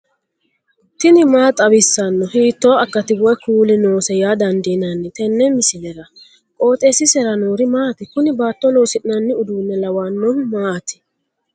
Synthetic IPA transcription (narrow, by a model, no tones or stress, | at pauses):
t̪ɪnɪmaːt̪ʼɐbɪsːɐnːɔhiːt̪ːoːɐkːɐt̪ɪwɔjkuːlɪnoːsɛjaːd̪ɐnd̪iːnɐnːɪt̪ɛnːɛmɪsɪlɛɾɐ | kʼo̞ːt̪ʼeːsɪsɛɾɐnoːɾɪmaːt̪ɪkʊnɪbaːt̪ːɔlo̞ːsɪʔɪnɐnːɪʊd̪uːnːɛlɐwanːɔnmaːt̪ɪ̥